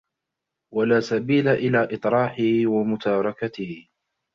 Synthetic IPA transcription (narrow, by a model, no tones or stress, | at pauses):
walaːsabiːlaʔɪlaːʔɨt̪ˤɾˤɑːħɪhɪwamʊt̪aːɾˤɑkat̪ɪh